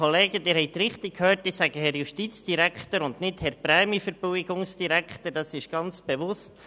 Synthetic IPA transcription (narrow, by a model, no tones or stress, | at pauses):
oleːɡədɪːɾhɛɪt̪ɾɪχt̪ɪkkʰhøːrtisæɡəhɛɾjuʃtit͡sd̥iɾækχt̪əɾʊndnɪthɛɾpɾɛːmifəɾb̥ɔɪɡʊŋsd̥iɾækχt̪əɾd̥ɑsɪʃɡ̥ɑnt͡sb̥eʋʊst